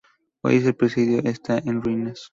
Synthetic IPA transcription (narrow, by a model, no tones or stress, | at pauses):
o̰jes̬elpɾesiðjoʔest̪aʔẽnrines